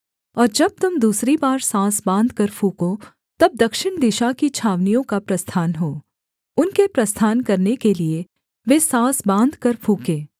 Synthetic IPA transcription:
ɔːɾd͡ʒɐb̚t̪ʊmd̪uːsɾibaːɾsãːsbãːnd̪kɐɾpʰũːko | t̪ɐb̚d̪ɐkʃɪɽ̃d̪ɪʃakit͡ʃʰaːʋnijõkapɾɐst̪ʰaːnɦoː | ʊnkepɾɐst̪ʰaːnkɐɾnekelie | ʋesãːsbãːnd̪ʱkɐɾfʰũːkeː

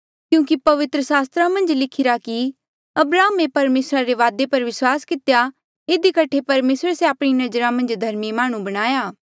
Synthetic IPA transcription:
kjũːkipɐʋɪt̪ɾəsaːst̪ɾamɐ̃nd͡ʒlɪkʰɪɾaki | ɐbɾaːmepɐɾmeːsɾaɾeʋaːd̪epɐɾʋɪswaːskɪt̪eja | ɪd̪ikɐʈʰepɐɾmeːsɾeseaːpɽ̃inɐd͡ʒəɾãmɐ̃nd͡ʒd̪ʱɐɾmimaːɽ̃ũbɐɽ̃aːjaː

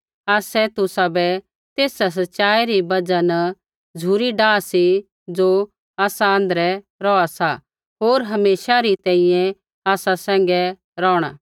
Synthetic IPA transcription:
aːsɛt̪ʊsabɛ | t̪eːsas̬ɐtːʃaːiɾibɐd͡ʒanɐ | d͡zʱuːɾiɖaːsi | d͡ʒo | aːsaə̃nd̪əɾɛ | ɾɔːasa | ɦoːɾɦɐmeːʃaɾit̪ɛ̃ːĩjɛ̃ | aːsasɛ̃ːŋ̆ɡɛ | ɾɔːɽ̃a̰

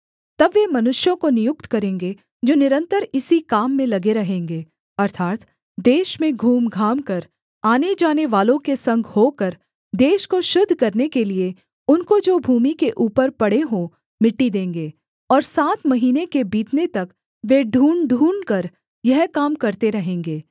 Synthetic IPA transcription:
t̪ɐbʋemɐnʊʃjõkonɪjʊkt̪kɐɾẽːŋɡe | d͡ʒoːnɪɾə̃nt̪əɾɪsikaːmːẽlɐɡeɾɐɦẽːŋɡeː | ɐɾt̪ʰaːt̪ | d̪eːʃmẽɡʱuːmɡʱaːmkɐɾ | aːned͡ʒaːneʋaːlõkesɐ̃ŋɡʱhoːkɐɾ | d̪eːʃkoʃʊd̪ʱːkɐɾnekelie | ʊnkod͡ʒoːbʱuːmikeʔuːpəɾpɐɽeɦõ | mɪʈːid̪ẽːŋɡeː | ɔːɾsaːt̪mɐɦiːnekebiːt̪net̪ɐk | ʋeɖʱuːɳɖʱuːɳkɐɾ | jɐɦkaːmkɐɾt̪eɾɐɦẽːŋɡeː

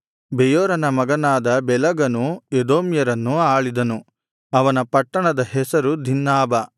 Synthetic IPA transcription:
bɛjoːɾɐnɐmɐɡɐnaːd̪ɐbɛlɐɡɐnued̪oːmjɐɾɐnːuaːɭid̪ɐnu | ɐʋɐnɐpɐʈːɐɳɐd̪ɐɦɛsɐɾud̪ʱinːaːbɐ

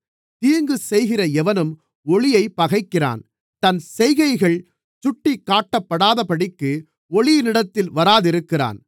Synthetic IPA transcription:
t̪iːŋɡɯsɛjɣɪrɐɛʋɐnɯm | ɔɭɪjɐɪpːɐɣɐɪkːɪra̰ːn | t̪ɐnsɛjɣɐɪɣɐɭ | t͡ʃʊʈːɪkːaːʈːɐpːɐɽaːðɐpɐɽɪkːɯ | ɔɭɪjɪnɪɽɐt̪ːɪlʋɐɾaːðɪɾɯkːɪra̰ːn

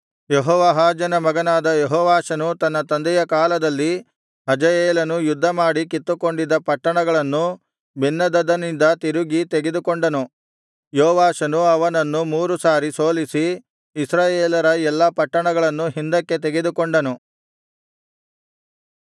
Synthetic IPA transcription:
jeɦɔːʋɐɦaːd͡ʒɐnɐmɐɡɐnaːd̪ɐjɛɦɔːʋaːʃɐnut̪ɐnːɐt̪ɐnd̪ɛjɐkaːlɐd̪ɐlːi | ɦɐd͡ʒɐjeːlɐnujud̪ʱːɐmaːɽikit̪ːuko̞ɳɖid̪ːɐpɐʈːɐɳɐɡɐɭɐnːu | bʱinːɐd̪ɐd̪ɐnind̪ɐt̪iɾuɡit̪eɡe̞d̪ukoɳɖɐnu | joːʋaːʃɐnuɐʋɐnɐnːumuːɾusaːɾiso̞ːlisiː | sɾaːjeːlɐɾɐɛlːɐpɐʈːɐɳɐɡɐɭɐnːuɦind̪ɐkːe̞t̪eɡe̞d̪ukoɳɖɐnu

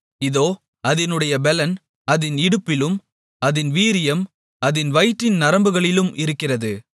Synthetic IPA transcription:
ɪðoː | ɐðɪnɯɽɐjɐbɛlɐn | ɐðɪnɪɽɯpːɪlɯm | ɐðɪnʋiːɾɪjɐm | ɐðɪnʋɐjʈːɪnnɐɾɐmbɯɣɐɭɪlɯmʔɪɾɯkːɪrɐðɯ

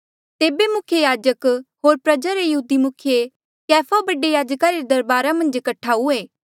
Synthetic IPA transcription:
t̪eːbemʊkʰjejaːd͡ʒəkɦoːɾpɾɐd͡ʒaɾejɐɦuːd̪imʊkʰje | kɛːpʰabɐɖejaːd͡ʒkaɾeɾd̪ɐɾbaːɾamɐ̃nd͡ʒkɐʈʰːaɦueː

